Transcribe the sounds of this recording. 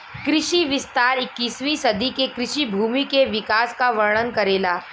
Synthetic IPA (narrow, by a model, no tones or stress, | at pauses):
kɾɪʃiʋɪst̪aːɾɪkːiːsʋisɐd̪ikekɾɪʃibʱuːmikeʋɪkaːskaʋəɾɳ̃ənkɐɾeːlaː